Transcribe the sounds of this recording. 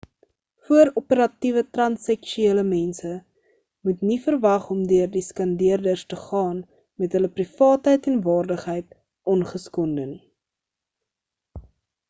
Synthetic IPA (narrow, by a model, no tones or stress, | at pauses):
fuəɾɔpəɾɐtivətrɐnsɛkʃyeːləmɛnsə | mutnifərvɐχɔmdøərdiskɐndiərdərstəχɑːn | mɛtɦələprifɑːtɦəjtɛnvɑːrdəχɦəjt̚ | ʔɔnχəskɔndəni